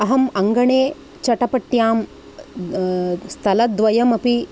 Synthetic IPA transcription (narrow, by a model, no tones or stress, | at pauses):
ɐɦɐmɐŋɡɐɳeː | t͡ʃɐʈɐpɐʈːjaːm | st̪ʰɐlɐd̪ʋɐjɐmɐpi